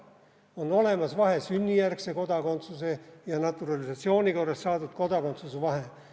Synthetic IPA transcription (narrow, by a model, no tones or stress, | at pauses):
o̞nːo̞le̞mɑsvɑɦe̞synʲːijærkse̞ko̞d̪ɑko̞nt̪susejɑnɑt̪ːˑuɾɑlisɑt̪sio̞ːnʲiko̞rːɑst̪sɑːt̪ut̪ko̞d̪ɑko̞nt̪susevɑɦe